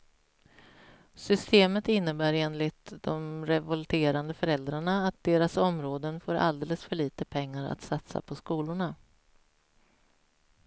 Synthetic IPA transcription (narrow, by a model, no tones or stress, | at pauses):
sʏst̪eːmət̪ɪnːəbæːɾeːnlɪt̪d̪ɔmɾɛvɔlt̪ʰeːɾand̪əfœɾɛld̪ɾaɳaːt̪̚d̪eːɾasɔmɾoːd̪ənfoːɾʔa̰ld̪eːləsfœɭiːt̪əpʰɛŋːaɾa̰t̪sat̪sa̰pʰɔskuːlʊɳa